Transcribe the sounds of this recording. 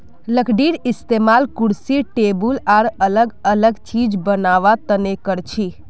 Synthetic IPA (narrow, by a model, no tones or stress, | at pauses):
ləkɖiɾist̪emalkuɽsiʈebulaɾələɡələɡt͡ʃid͡ʒbənaʋat̪ənekəɾt͡ʃʰi